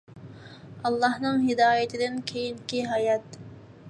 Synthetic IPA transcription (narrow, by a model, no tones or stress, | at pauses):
ɑlˠːɑhnɨŋɦɪd̪ɑːjɛt̪ʰɪd̪ɪnkʲʰejiŋkʲiɦɑjɑt̪